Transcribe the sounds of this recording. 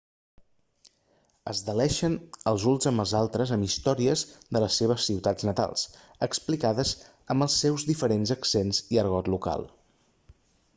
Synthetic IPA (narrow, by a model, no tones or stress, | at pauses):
ə̰zðəlɛʃənəlˠzunzəmbəlˠzalˠt̪ɾəzəmist̪ɔɾiəzðələsːeβ̞əsːiwt̪ad͡znət̪a̰lˠs | əksplikaðəz | əmbəlˠsːɛwzðifəɾenzəksenziəɾɣɔt̪luka̰lˠ